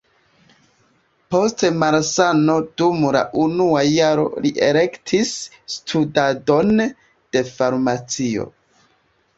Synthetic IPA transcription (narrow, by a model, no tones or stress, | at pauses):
po̞stemaɾsano̞dumla̰ʔunuajaɾo̞̰liʔḛle̞ktʰisː | tʰudado̞n | d̥e̞faɾmat͡sio̞̰